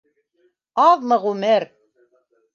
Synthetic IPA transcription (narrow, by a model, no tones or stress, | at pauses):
ɑðmɤʁʉmɘɾ